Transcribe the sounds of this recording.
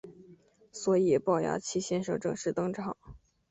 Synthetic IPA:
swɔ˧˥i˨˩pɑ˥˩ʊja̰˧˥t͡ɕʰi˥ɕjɛ˥nʂɤ̰˥˩ŋʈ͡ʂɤ˥˧ŋʂɻ̩˥˩t̪ɤ˥ŋʈ͡ʂʰɑ˨˩˦ŋ

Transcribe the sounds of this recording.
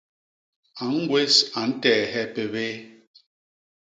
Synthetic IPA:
a˨ŋ̩˦ɡwe˦sa˨n̩˦tɛ˨ɦɛ˦pe˨βe˦

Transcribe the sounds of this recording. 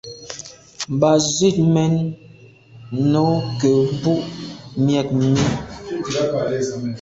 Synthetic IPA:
m˨ba˨zwi˦˨t̚mɛ˦n | no˨˦kə˨˦bu˦ʔmjɛ˨k̚mi˦˨˦

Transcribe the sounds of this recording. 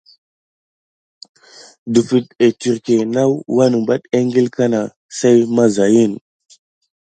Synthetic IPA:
du˨fi˨te˨ti˨ɾke˨na˦wwa˦nə˨ba˦ɗe˦ŋɡi˦lka˦na˨ | sa˦jma˦za˨ji˦˨n

